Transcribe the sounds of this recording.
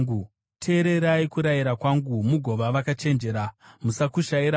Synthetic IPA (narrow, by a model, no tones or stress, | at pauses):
u | tʰe̞ːɾe̞ɾaikuɾajiɾakwaŋɡumuɡʱo̞ʋaʋakat͡ʃe̞nd͡ʒe̞ɾamusakuʃaiɾa